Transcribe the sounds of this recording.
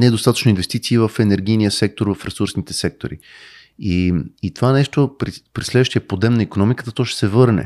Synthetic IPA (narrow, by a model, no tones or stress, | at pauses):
nɛd̪ost̪at̪ə̥t͡ʃnʊinvɛst̪it̪siːvəfɛnɛɾɡ̟ijnijəsɛk̚t̪oɾvɐfɾɛsuɾsnit̪ɛsɛk̚t̪o̰ɾḭ | iit̪ovanɛʃt̪opɾipɾislɛd̪vəʃt̪ijəpod̪ɛmnəikonɔmikə̥t̪ət̪ɔʃt̪ɛ̥sɛvɤɾnɛ̰